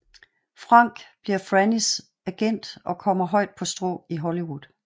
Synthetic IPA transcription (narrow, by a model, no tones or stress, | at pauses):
fʁɑ̈ŋ̰ɡ̥b̥liɐ̰fʁænis | æɡ̥en̰d̥ɒ̽kʰɒ̽m̰ɐɦɒ̽ɪ̰d̥̚pʰɒ̽sd̥ʁɔ̰ːiɦɔliwuð̥ˠ